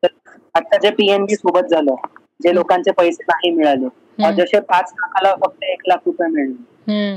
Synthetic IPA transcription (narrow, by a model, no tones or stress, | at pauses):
ə | ət̪ːad͡ʑepiembiːsobət̪̚d͡zʱaləː | d͡ʑelokant͡sepəjsenaɦimiɭale | əɾd͡zəɕepat͡snakʰalafək̚t̪əeklakʰɾupəjmiɭle